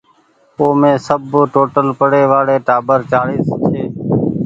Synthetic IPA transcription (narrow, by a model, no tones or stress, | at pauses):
oːmẽːsəbʈoːʈəlpəɽeːʋaːɽeːʈaːbəɾt͡ʃaːɽiːst͡ʃʰeː